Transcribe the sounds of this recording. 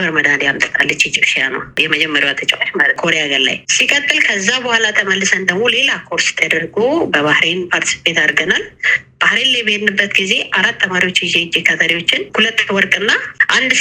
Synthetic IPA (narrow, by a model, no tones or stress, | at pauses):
bəɾməd̪ad̪ejamt̪ʼə̥t̪ʼa̰lːət͡ʃːid͡ʒɪβʃijanə̰wjɛməd͡ʒɛmːəɾjuwat̪ʰət͡ʃʼɛwaʃmkʰo̞ɾeaɡəɾla̰jsikʼət̪ʼːɨlkʰəzːabəhalat̪ʰəməlːɨsənd̪əɡmo̞le̞lakʰo̞ɾsɪ̥t̪ʰːəd̪əɾɡobəβahɾenpʰaɾt̪ʰi̥si̥pet̪aɾɡənalb̥ahɾenlajbəhnɨbːət̪ɡize̞ʔaɾat̪ːəmaɾiwo̞t͡ʃːɪzed͡ʒekʰət̪ʰəɾiwo̞t͡ʃːɪnhulət̪ːwɔɾkʼɨnːaʔand̪